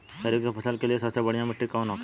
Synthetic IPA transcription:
t̪ɐɾikepʰɐsəlkeliesɐbsebɐɽijãmɪʈʰːikaunõːk

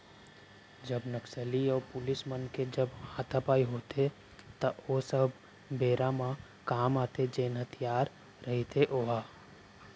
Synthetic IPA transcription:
d͡ʒəbnəksəliɔːpʊlɪsmənked͡ʒəbhaːt̪ʰapaːiɦoːt̪e | t̪əoːsəb | beːɾamã | kaːmaːt̪ed͡ʒeːnɦət̪ʰijaːɾ | ɾɐɦit̪ʰeʔoːɦaː

